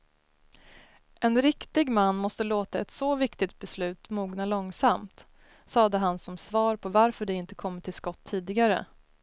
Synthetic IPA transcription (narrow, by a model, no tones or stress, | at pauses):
ʔɛnɾɪkt̪ɪɡmanːmɔst̪əloːt̪aɛt̪sɔvɪkt̪ɪt̪̚bɛslʉ̟ːt̪muːɡnalɔŋsamt̪ | sɑːd̪əɦansɔmsvɑːɾpʰɔvaɾfœɖɛɪnt̪ə̥kʰɔmːəʈʰɪlskɔt̪ʰːiːd̪ɪɡaɾə̰